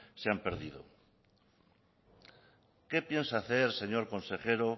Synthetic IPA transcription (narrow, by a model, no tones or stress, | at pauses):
seampeɾðið̞o̰ | ke̞pje̞nsaːθeɾse̞ɲoɾko̞nse̞xeɾo